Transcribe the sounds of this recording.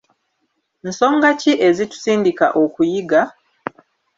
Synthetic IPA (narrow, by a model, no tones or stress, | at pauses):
n̩so̞ːŋɡaciʔe̞zitu̥siːndika̰ʔokujiɡa